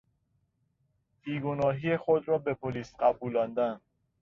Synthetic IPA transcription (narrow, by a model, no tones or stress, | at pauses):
b̥iːɡonɒːɦijexod̪ɾɒːbe̞pʰoliːsɢæbuːlɒːnd̪æn